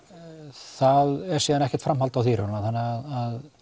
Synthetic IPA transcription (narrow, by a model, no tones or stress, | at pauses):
θaðɛɾ̥siːðanɛhcɛ̥t̪fɾamhalt̪awθiːɾnnaθanːɪaðað